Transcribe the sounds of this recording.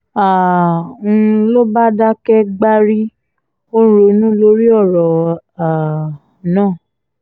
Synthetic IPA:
ã˨˧ | lo˦ba˦da˦kɛ˦ɡ͡ba˦ɾi˦ | o˦ɾo˧˨˦nũ˦lo˦ɾi˦ɔ˦˨ɾɔ˨a˨ | nãː˦˨

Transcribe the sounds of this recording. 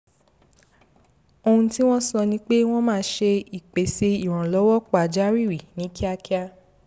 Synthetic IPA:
o˧hũ˧ti˦w̃ɔ̃˦sɔ˧nĩ˧˦k͡pe˦w̃ɔ̃˦mãː˦˧˦ʃe˧i˨k͡pe˨se˧i˨w̃ã˨lɔ˨˦wɔ˦k͡pa˨d͡ʒa˦ɾi˦˨wi˨nĩ˨˦ki˦a˧ki˦a˧

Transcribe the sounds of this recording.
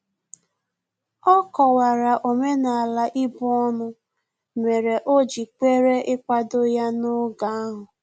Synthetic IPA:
ɔ˦kɔ˨wa˨ɾa˨ʔo˨me˦na˨a˨la˨ʔɪ˦bʊ˦ɔ˦nʊ˦ | me˨ɾe˨ʔo˦d͡ʒi˨k͡pe˦ɾe˦ʔɪ˦kʷa˦do˦ja˦nʊ˦ɡa˨˦a˦ɦʊ˨

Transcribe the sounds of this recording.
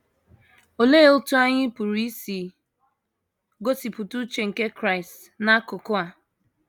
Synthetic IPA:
o˨le˦o˦tu˦a˦ɲɪ˦pu˨ɾi˦si˨ | ɡo˦si˨pu˨tu˦t͡ʃe˨ŋ̩˨ke˦kɾa˦ɪ˨st | na˦kʊ˨kʊ˦a˨

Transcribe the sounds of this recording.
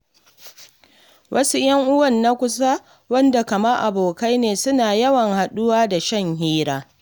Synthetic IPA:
wʔɐ˦su˦j̰ɐ˦ŋʔʊ˦wɐ˦˨nːa˦kʷʊ˦sa˦ | wɐ˦nda˨kɐ˨mɐ˦rʔa˨boː˨ka˦jneː˨sʊ˦naː˨jɐ˦wɐ˨ŋha˨ɗʊ˦waː˦da˨ʃɐ˦ŋhiː˦ɾaː˦

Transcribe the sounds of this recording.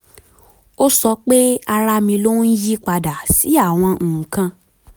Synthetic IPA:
o˦sɔ˧k͡pe˦a˧ɾa˧mĩ˧lo˦n̩˦ji˦k͡pa˧da˨si˨˦a˦˨w̃ɔ̃˧˨kã˧

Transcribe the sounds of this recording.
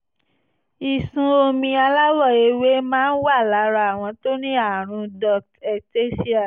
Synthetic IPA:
i˨sũ˨o˧mĩ˧a˧la˦wɔ˦˨e˧we˦mãː˦n̩˦wa˦˨la˨˦ɾa˧a˨w̃ɔ̃˧to˦ñĩ˦a˦˨ɾ̃ũ˧dɔ˦kɛ˧te˦si˦a˨

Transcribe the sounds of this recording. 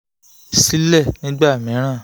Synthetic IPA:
si˦lɛ˦˨nĩ˦ɡ͡ba˦˨mĩ˨˦ɾ̃ã˦˨

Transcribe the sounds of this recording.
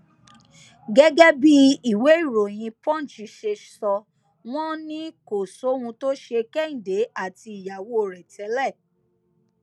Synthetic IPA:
ɡɛ˦ɡɛ˦bi˦i˨we˨˦i˦˨ɾo˨j̃ĩ˧pɔ̃˦˨t͡ʃi˨˦ʃe˧sɔ˧ | w̃ɔ̃˦nĩ˦ko˨so˨˦wũ˧to˦ʃe˧kɛ˦˨ĩ˨de˨˦a˦˨ti˧i˨ja˨wo˦˨ɾɛ˨tʰɛ˨˦lɛ˦˨

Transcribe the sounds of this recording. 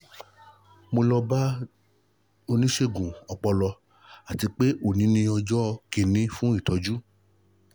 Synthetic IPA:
mo˧lɔ˧ba˦ | o˧nĩ˦ʃe˦ɡũ˨ɔ˧k͡pɔ˧lɔ˧ | a˨ti˧k͡pe˦ʔo˦˨nĩ˨˦nĩ˧ɔ˧d͡ʒɔ˦ke˧nĩ˧fũ˦i˦˨tɔ˨˧d͡ʒu˦

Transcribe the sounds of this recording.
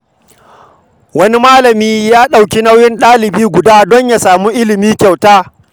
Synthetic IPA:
wɐ˦ni˦maː˦lɐ˨miː˦jaː˦ɗa˨wkʲi˦na˦wjɪ˦nɗaː˦lɪ˨biː˦ɡʷʊ˨daː˦dɔ˦ɲja˨saː˨mu˦ʔɪ˦lɪ˨miː˦kʲa˨wtaː˦

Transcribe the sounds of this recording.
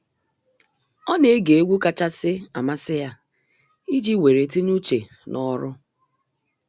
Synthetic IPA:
ɔ˦ne˨˦e˦ɡe˨e˦ɡʷu˦ka˦t͡ʃa˦sɪ˦a̰˨ma˦sɪ˦ja˦ | i˦d͡ʒi˦we˨ɾe˨ti˦ɲu˦t͡ʃe˨ | nʔɔ˦ɾʊ˦

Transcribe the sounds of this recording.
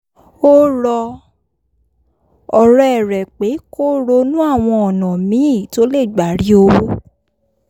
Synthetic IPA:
o˦ɾɔ˧ | ɔ˨ɾɛ˨ɛ˨ɾɛ˨k͡pe˨˦ko˦ɾo˧nũ˦a˦˨w̃ɔ̃˧ɔ˨nã˨mĩ˨˦˨to˨˦le˦˨ɡ͡ba˨ɾi˨˦o˧˦

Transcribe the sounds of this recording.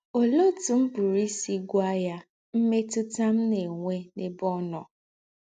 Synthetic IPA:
o˨lo˦tu˨m̩˦bu˨ɾi˦si˦ɡʷa˦ja˦ | m̩˦me˦tʊ˦ta˦m̩˦ne˨ŋʷe˦ne˨bɔ˦nɔ˨

